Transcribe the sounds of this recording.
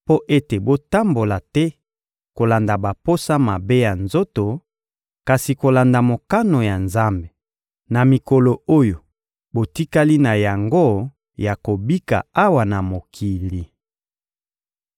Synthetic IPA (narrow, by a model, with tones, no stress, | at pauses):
po˦ʔe˦te˨bo˦ta˦mbo˨la˨tɛ˦ | ko˨la˨nda˨ba˨po˦sa˦ma˨be˦ja˨nzo˦to˨ | ka˨si˨ko˨la˨nda˨mo˨ka˦no˨ja˨nza˦mbe˨ | na˨mi˨ko˨lo˨o˦jo˨ | bo˨ti˦ka˦li˦na˨ja˨ŋɡo˦ | ja˨ko˨bi˦ka̰˨a˦wa˨na˨mo˨kʰi˨li˨